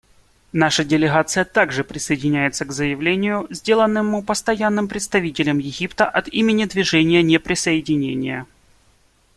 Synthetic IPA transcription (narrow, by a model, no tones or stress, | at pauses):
naʂədʲɪlʲɪɣat̪sɨjət̪aɡʐɨpɾʲɪsəjɪdʲɪnʲæjɪt̪səɡzəjɪvlʲenʲɪjʊzʲdʲelˠənːɨmːupəst̪ɐjanːɨmpɾʲɪt̪st̪ɐvʲitʲɪlʲəmjɪɣʲipt̪əʔɐt̪imʲɪnʲɪd̪vʲɪʐɛnʲɪjənʲepɾʲɪsəjɪdʲɪnʲenʲɪjə